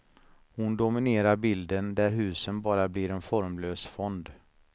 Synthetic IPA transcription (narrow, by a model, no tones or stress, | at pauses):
hʊnd̪ʊmɪneːɾaɾbɪld̪ənd̪æɾɦʉ̟ːsənbɑːɾablɪɾɛnfɔɾmløːsfɔnd̪